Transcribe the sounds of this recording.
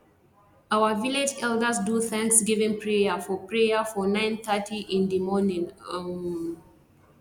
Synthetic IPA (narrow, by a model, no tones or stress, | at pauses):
awəviled͡ʒɛldəsduθæ̃ŋksɡivɛ̃npʰɹejafɔpɹejafɔnãɪ̃nθətʰiʔĩndimɔnĩn